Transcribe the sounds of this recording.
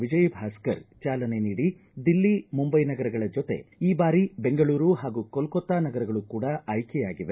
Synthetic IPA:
ʋid͡ʒɐjbʱaːskɐɾt͡ʃaːlɐne̞niːɽi | d̪ilːimumbɐjnɐɡɐɾɐɡɐɭɐd͡ʒot̪e̞̰iːbaːɾibe̞ŋɡɐɭuːɾuɦaːɡukɔlkɔt̪ːaːnɐɡɐɾɐɡɐɭukuːɽɐʔɐjkɛjaːɡiʋe

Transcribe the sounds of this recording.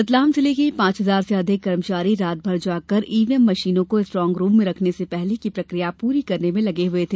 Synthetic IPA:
ɪt̪laːmseleːkeipãːt͡ʃɦɐzaːɾseɐd̪ʱɪkːɐɾəmʃaːɾiɾaːt̪̚bʱɐɾd͡ʒaːkɐɾiːʋiɛmːɐʃiːnõkoɪsʈɾɔ̃ːŋɡɾuːmːẽɾɐkʰnesepɛɦlekipɾɐkɾijapuːɾikɐɾnemẽlɐɡeɦʊet̪ʰeː

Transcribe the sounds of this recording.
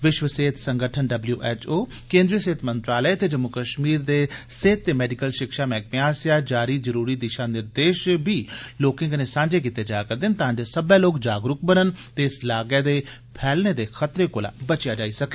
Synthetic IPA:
ʋɪʃʋəseːt̪ʰsəŋɡəʈʰənɖəbljṵːʔɛːt͡ʃoː | kẽːnd̪ɾijəseːt̪ʰmənt̪ɾaːləet̪eːd͡ʒəmːʊkəʃmiːɾd̪eːseːt̪ːeːmɛːɖikəlʃɪkʃaːmɛ̃ːk̚mẽaːsjaːd͡ʒaːɾiːzəɾuːɾiːd̪ɪʃãːnɪɾd̪eːʃbiːloːkɪ̃ŋɡəneːsãːɲd͡ʒeːk̬it̪eːd͡ʒaːkəɾd̪ɪnt̪əɦãːɲd͡ʒesəbẽːloːkd͡ʒaːɡɾʊkbənənt̪eːɪslaːɡɛːd̪eː | pʰɛːlneːd̪eːkʰət̪ɾeːkoːla̰ːbət͡ʃɪjaːd͡ʒaːiːsəkeː

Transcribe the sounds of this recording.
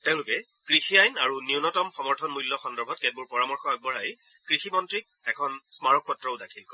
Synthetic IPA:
tɛʊ̃lʊkɛ | kɹixiajnaɹuniʊnɔtɔmxɔmɔɹtʰɔnmulːɔxɔndɔɹbʱɔt̚kɛt̚buɹpɔɹamɔɹxɔɛɡ̚bɔɹaj | kɹiximɔntɹik̚ɛkʰɔnsmaɹɔk̚pɔtɹɔʊdakʰilkɔ

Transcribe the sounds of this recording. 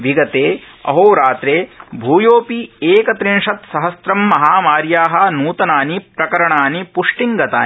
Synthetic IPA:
ʋiɡɐt̪eː | ɐ̰ɦoːɾaːt̪ɾeːbʱuːjoːpieːkɐt̪ɾiɳʂɐt̪sɐɦɐsɾɐmːɐɦaːmaːɾjaːɦɐ̆nuːt̪ɐnaːnipɾɐkɐɾɐɳaːnipuʂʈiŋɡɐt̪a̰ː

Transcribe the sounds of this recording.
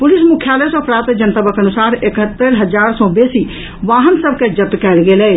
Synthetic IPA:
pʊlɪsmʊkʰjaːləjsɔpɾaːt̪d͡ʒənt̪əbəkənʊsaːɾekɦət̪ːəɾɦəd͡ʒaːɾsɔ̃beːsi | ʋaːɦənsəb̚ked͡ʒət̪kɛːlɡeːlɛː

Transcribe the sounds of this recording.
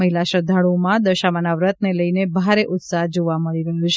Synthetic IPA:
əɦilaʃəd̪ʱaɭomãd̪əʃamanaʋɾət̪̚neləjnebʱaɾeʔʊt̪saɦd͡ʒoʋaməɭiɾəɦũt͡ʃʰ

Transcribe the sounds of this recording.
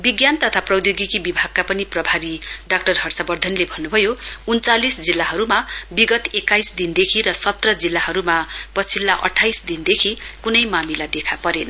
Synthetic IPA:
biɡjant̪ʌt̪ʰaprʌd̪joɡikibibʱaɡ̚kapʌniprʌbʱaɾiɖakʈʌrɦʌrsabʌrd̪ʱʌnlebʱʌnːubʱʌjount͡salisd͡zilːaɦʌɾumabiɡʌt̪ekajsd̪ind̪ekʰiɾʌsʌt̪rʌd͡zilːaɦʌɾumapʌt͡sʰilːaʔʌ̰ʈʰːajsd̪ind̪ekʰikunʌjmamilad̪ekʰapʌɾen

